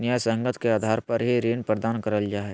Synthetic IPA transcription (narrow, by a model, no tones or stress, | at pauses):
njaːjsə̃ŋɡət̪ʰkeaːd̪ʱaːɾpɐɾɦiɾeːnpɾəd̪aːnkəɾəld͡ʒaːɦɛ